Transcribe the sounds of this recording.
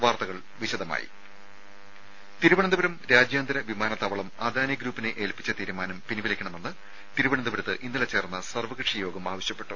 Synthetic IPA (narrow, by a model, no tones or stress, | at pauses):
ʋaːrt̪ɐɣɐɭ | ʋiɕɐd̪ɐma̰ːjḭ | t̪iɾubɐɳɐnd̪ubɐɾɐmɾaːd͡ʑjaːnd̪ɐɾɐʋimaːnɐt̪ːɐʋɐɭɐma̰ːd̪ʱaːnijɐɡɾuːpːineʔeːlpit͡ɕːɐt̪iːɾumaːnɐmpiniʋɐlikʲːɐɳɐme̞nːɨ | t̪iɾubɐɳɐnd̪ubɐɾɐt̪ːɨʔinːɐlɐt͡ɕe̞ːrnːɐsɐrʋɐɣrɨʂɐjo̞ːɡɐmaːʋɐɕjɐpːe̞ʈːu